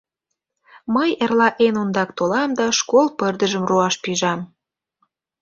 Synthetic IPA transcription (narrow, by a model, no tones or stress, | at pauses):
məjerlɑʔenond̪ɑkt̪olɑmd̪ɑʃkolpərd̪ə̆ʒə̆mruɑʃpiʒɑm